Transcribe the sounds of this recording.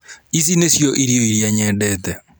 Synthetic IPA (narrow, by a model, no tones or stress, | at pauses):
is̬inesjɔʔiɾjoiɾiaɲɛːdɛːtɛ